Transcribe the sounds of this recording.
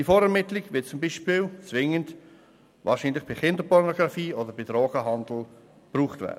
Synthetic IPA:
difɔːɾɛɾmɪtlɪɡvɪt̚t͡sʊmbiːʃpɪːlt͡svɪŋənd | vɑ̰ːɾʃiːnlɪχb̥ɪχɪndəpʰɔɾnɔɡʁɑfiːodəb̥idɾɔːɡ̥əɦɑndl̩ | b̥ruːχtvɛ̰ːdə

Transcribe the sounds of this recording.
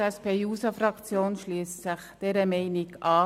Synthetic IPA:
ɛspeːjuːsɑfrɑkt͡sjoːnʃliːəst͡sɪχd̥ɛɾəmɛɪnɪkɑː

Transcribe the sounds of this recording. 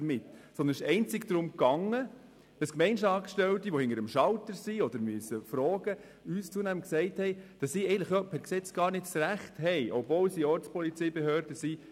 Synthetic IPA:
əɾmɪtsɔndənɪʃɛɪnt͡sɪɡd̥̪ɾʊmkɑŋːə | d̥əskmɛɪnʃɑfʃtɛltiʋɔhɪŋəɾəmʃɑltəɾsiɔd̪əɾmyəsəfɾɔːɡə | yːst͡suənæməksɛɪthɛɪd̥ɑsiɛɪɡəntləχjɔpʰæɾksɛt͡sɡ̥ɑːɾnɪtsræχthɛɪʔɔpvɔlsiɔɾt͡spʰɔlit͡sɛɪbɛhøːɾdəsi

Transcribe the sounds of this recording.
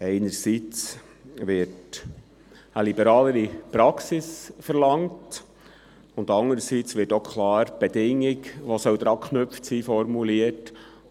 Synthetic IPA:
ɛɪnəɾsiːt͡s | ʋɪɾt | əlibəɾɑːləɾipɾɑksɪsfəɾlɑŋt | ʊndɑŋəɾəsit͡sʋɪːtokχlɑːɾb̥ɛdɪŋːɪkʋosœwd̪ɾɑːkχnʏpftsiːfɔɾmuliət

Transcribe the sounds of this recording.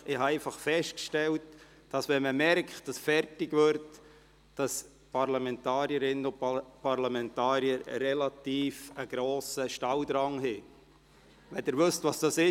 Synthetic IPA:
ɪhɑɛɪfɑχfɛʃtkʃtɛlt | d̥ɑsʋɛnməmɛɾkχt̚d̥ɑsfɛrtɪɡʋʏɾt | d̥ɑs | pɑɾlɑmɛntɑːɾiəɾɪnənʊpɑɾlɑmɛntɑːɾiəɾɾɛlɑtiːfəɡ̥ɾoːsəʃtɑwd̪ɾɑŋɦɪ | ʋɛdɪɾʋɵstvɑsd̥ɑsɪ

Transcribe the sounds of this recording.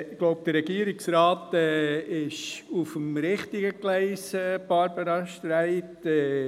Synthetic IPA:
ɪɡ̥lɔʊp̚d̥̪əɾɛɡiəɾɪksɾɑːt̪ɛːɪʃufəmɾɪχtiɡəklɛɪsɛb̥ɑɾbəɾɑʃtɾæɪtɛ

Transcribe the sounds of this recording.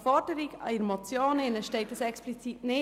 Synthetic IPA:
fɔɾdəɾiɡɑ̰iɾmot͡sjoːnɪnəʃtɛɪtəsɛksplit͡sitnɪ

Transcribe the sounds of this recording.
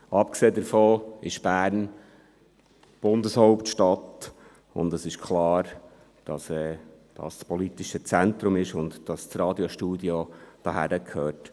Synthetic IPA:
ɑpkseːdəɾfoːɪʃb̥æːɾn | b̥ʊndəshɔʊptʃtɑt̪ | ʊ̰ndəsɪʃkʰlɑːɾ | d̥ɑsɛːd̥ɑ̰ːsspɔlit̪iʃət͡sæntɾʊmɪʃʊndd̥ɑst͡srɑːd̪joʃtuːdjod̥ɑɦæ̰ɾəkʰøːt

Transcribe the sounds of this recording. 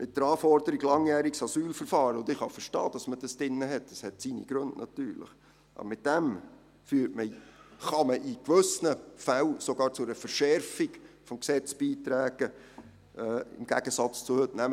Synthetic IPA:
mʔɪt̚d̥̪əɾɑːfɔɾd̥̪əɾiɡlɑŋjæːɾiksɑsyːlfəɾfɑːɾəʊndɪχhɑfəɾʃtɑːd̥ɑsməd̥ɑsd̥ɪnːəɦɛt̚əshɛtsinḭɡ̥ɾɵndnɑ̰t̪yːɾlɪ̰χ | ʔɑ̰bmɪt̚d̥ɛm | fyːtməχɑməʔikʋɵsnəfæwsoɡɑːɾt͡sʊəfəɾʃɛɾfiɡ̥fɔmksɛt͡sb̥iːtɾæːɡ̥ə | ɪ̰mɡ̥æ̰ɡ̥əsɑt͡st͡sʊhɵtnæm

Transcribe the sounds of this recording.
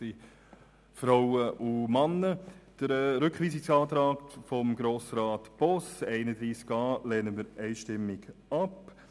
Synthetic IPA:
i | fɾawəʔumɑnːəd̥əɾɛɾʏkχʋiːsɪksɑːt̪ɾɑːktfɔmɡɾoːsɾɑːtb̥ɔsɛɪnədɾiːskɑːlɛːnəmiːɾɛɪʃtɪmːɪɡɑp

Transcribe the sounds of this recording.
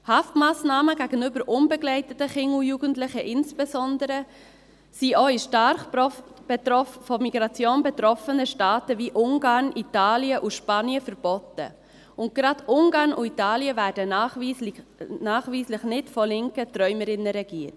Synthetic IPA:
hɑftmɑːsnɑːməɡ̥æɡ̥ənʏbəɾʔʊnbɛɡlɛɪtətəχɪŋujuːɡəntlɪχəʔɪnsb̥ɛzɔndəɾə | siʔoːɪʃtɑɾχb̥ɛɔfɔmiɡ̥ɾɑt͡sjoːnbɛt̪ɾɔfənəʃtɑːtəviʔʊŋɡɑːɾnʔitɑːliəʔuʃpɑniəfəɾb̥ɔtə̰ | ʊnt̚ɡ̥ɾɑdʊŋɡɑːɾnʊitɑːljəvæːɾd̥ənɑχi | nɑːχviːslɪχnɪtfɔlɪŋkətɾœʏməɾɪnːəɾɛɡ̥iːt

